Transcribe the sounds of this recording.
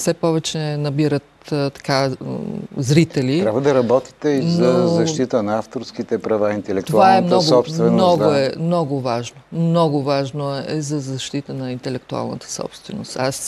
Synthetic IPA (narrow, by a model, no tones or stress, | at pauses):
sɛpɔvɛt͡ʃɛnɐbiɾət̪t̪ɐ̥ka | zɾit̪ɛliɾabvɐd̪ɐɾɐbɔt̪i̥t̪ɛiznɐzɐʃʃt̪it̪ənɐaft̪oɾskit̪ɛpɾɐvaint̪ɛlɛkt̪ouvaɛmnɔɡ̪psst̪vɛnnɔɡoɛmnɔɡovaʒnomnɔɡʊvaʒnoɛzɐzɐʃt̪it̪ənɐint̪ɛlɛkt̪ua̰lˠnə̰t̪ə̥sɔ̰pst̪vɛno̰st̪as